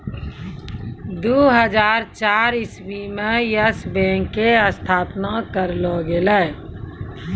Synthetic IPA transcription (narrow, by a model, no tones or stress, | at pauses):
d̪uːɦəd͡ʒaːɾt͡ʃaːɾɪsbimẽjəsbẽːŋkːeəst̪ʰaːpnakəɾlɔːɡelɛ